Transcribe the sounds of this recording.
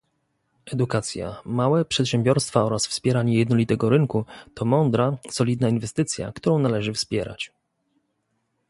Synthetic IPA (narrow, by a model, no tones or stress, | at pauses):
ʔɛd̪ukat̪sʲja̰mawɛpʂɛt̪ɕɛmbʲjɔɾst̪faɔɾasfspʲjɛɾaɲɛjɛd̪nɔlʲit̪ɛɡɔɾɘŋkut̪ɔmɔnd̪ɾasɔlʲid̪nainvɛst̪ɘt̪sʲja̰kt̪uɾɔ̃w̃nalɛʐɘfspʲjɛɾa̰t͡ɕ